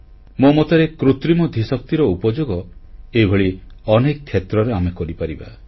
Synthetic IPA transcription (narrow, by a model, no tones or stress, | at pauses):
momot̪eɾekɾut̪ɾimɔd̪ʱisɔk̚t̪iɾɔupɔd͡ʒoɡɔebʱeɭiɔnek̚t̪ʰjet̪ɾɔɾeamekɔɾipaɾiba̰